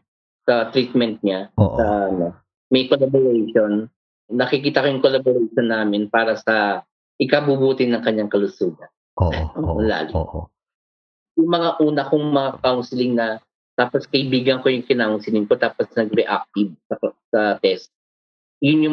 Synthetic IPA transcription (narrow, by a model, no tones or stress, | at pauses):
sɐt̪ɾiːt̪̚mɛnt̪̚ɲaʔɐʔɐno̞ | mɐjkolaboɾejʃonː | ɐkɪkiːt̪ɐkojʊŋkolaboɾejʃonːaːmɪnpaːɾɐsɐ | ʔɪkabubuːt̪ɪnɐŋkɐɲːaŋkɐlʊsuːɡɐn | ʔoʊla̰ːɡɪʔ | jʊŋmɐŋaʔuːnɐkʊŋmɐŋakawnsɪlɪŋnɐ | t̪aːposkɐʔɪbiːɡɐŋko̞jʊŋkɪnaʔʊnsɪlɪŋkot̪aːposnɐɡ̚bɛʔak̚t̪ɪb̚sɐsɐt̪ɛst̪̚ | jʊnjʊ